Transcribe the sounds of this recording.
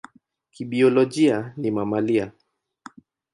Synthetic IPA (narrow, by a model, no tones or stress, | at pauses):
kiɓiɔlɔʄianimamalia